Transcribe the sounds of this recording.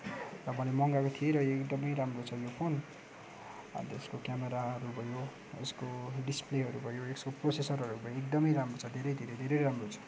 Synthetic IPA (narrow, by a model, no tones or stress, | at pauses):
rʌmʌlemʌŋɡakot̪ʰieɾʌekd̪ʌmʌjɾamrot͡sʰʌjopʰon | a̰t̪ʌeskokjameɾaʌɾubʱʌjo | eskoɖispleɦʌɾubʱʌjoekskoprosesʌrɦʌɾubʱʌjoek̚d̪ʌmʌjɾamrot͡sʰʌd̪ʱeɾʌjd̪ʱeɾʌjd̪ʱeɾʌjɾamrot͡sʰʌ̥